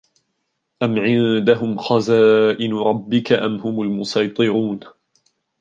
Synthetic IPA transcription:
ʔamʕɪnd̪aɦʊmxɑzaːʔɪnɾˤɑbːɪkaʔamhʊmʊlmʊsˤɑjt̪ˤɨɾuːn

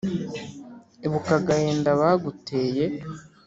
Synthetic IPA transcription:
eβukaɡaheːndaβaɡute̞ːje

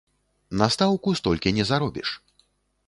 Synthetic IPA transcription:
nast̪awkust̪ɔlʲkʲinʲɛzaɾɔbʲḭʂ

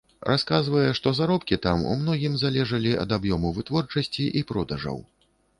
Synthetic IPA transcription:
ɾʔaskazvɐjɛʂt̪ɔzaɾɔpkʲit̪amṵmnɔɣʲimzalʲɛʐɐlʲiɐ̰d̪abjɔmuvɨt̪vɔrt͡ʂɐsʲt͡sʲiʔipɾɔd̪ɐʐɐ̰w

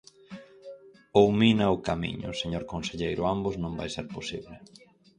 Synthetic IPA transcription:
owminɐʊkamḭɲʊ̰seɲoɾkonseʎejɾʊambʊznõmba̰jseɾposḭβlɪ

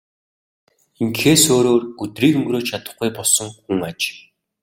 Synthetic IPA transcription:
iŋxeːsoːɾoːrɡɵt̪riːkɵŋɡɾoːt͡ɕt͡ɕʰat̪ə̆χɡujpɔɮsɞ̆ŋxuŋat͡ɕ

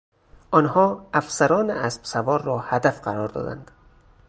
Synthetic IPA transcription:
ʔɒːnhɒːæfsæɾɒːneʔæsb̥sævɒːɾːɒːhæd̪æfɢæɾɒːɾd̪ɒ̰ːd̪æ̰nd̪̥

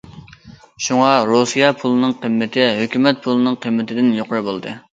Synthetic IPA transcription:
ʃuŋɑɾosɨjɑpʰulˠɨnɨŋqʰəmːɪt̪ʰɪɦøkʲymɛt̪̚pʰulˠɨnɨŋqʰəmːɪt̪ʰɪd̪ɪnjoqəɾɨbolˠɨd̪ɨ

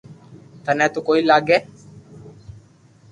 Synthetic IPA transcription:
t̪ɐnɐt̪ʊkʼɔjɪlːaːɡɛ

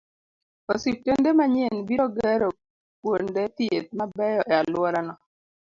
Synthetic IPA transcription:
ɔsitːendemaɲenbiɾɔɡɛɾo | kwondet̪iet̪̚mabɛjɔʔɛalʊɔɾanɔ

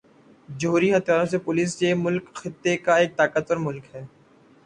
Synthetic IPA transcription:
d͡ʒɐɦuːɾiɦɐt̪ʰjaːɾõsepʊliːs̬jemʊlkxɪt̪ːekaeːk̚t̪aːkət̪ɔɾmʊlkɦɛː

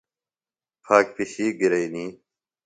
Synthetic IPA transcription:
pʰaːk̚piɕiːɡiɾɐiniː

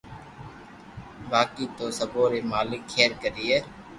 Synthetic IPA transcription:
baːkiːt̪oːsəboːɾeːmaːlɪkʰːeːɾkəɾiːeː

